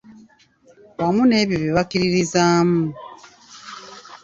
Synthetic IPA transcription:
wamune̞ːβjoβiβakiɾiɾizaːmu

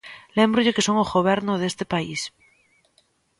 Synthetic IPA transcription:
lembɾoʎekesoŋozɣoβ̞eɾnoðest̪epais

